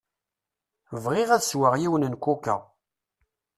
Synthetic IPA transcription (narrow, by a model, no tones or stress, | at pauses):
vʁɪʁæðswəʁjiwənənkʷukə̰ʁ